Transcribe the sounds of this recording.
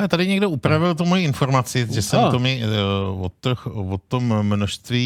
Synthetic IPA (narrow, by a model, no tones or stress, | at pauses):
ɛt̪adɪɲɛɡdo̞upɾavɪlt̪umojiɪnfo̞ɾmat͡sɪʒɛsɛmomɛvot̪xvot̪omːnoʃst̪viː